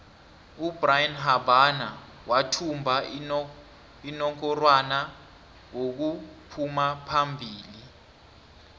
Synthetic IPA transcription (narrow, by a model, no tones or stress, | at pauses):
ubrajinɦabana | watʰumbʱa | inɔŋkʰɔrwana | ŋok̬upʰumapʰambʱiːli